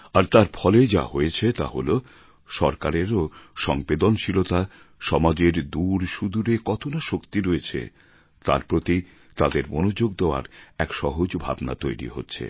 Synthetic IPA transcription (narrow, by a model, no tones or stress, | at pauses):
aɾt̪aɾfʰɔled͡ʑa̰ɦojet͡ɕʰet̪a̰ɦolo | ʃɔɾkaɾeɾoʃɔŋbed̪onʃilot̪a | ʃɔmad͡ʑeɾd̪uɾʃud̪uɾekɔt̪ʰonaʃokt̪iɾoet͡ɕʰḛ | t̪a̰ɾpɾot̪i | t̪ad̪eɾmonod͡ʑoɡ̚d̪eoa̰ɾɛkʃɔɦod͡ʑbʱa̰bna̰t̪ojɾḭɦo̰tːɕʰḛ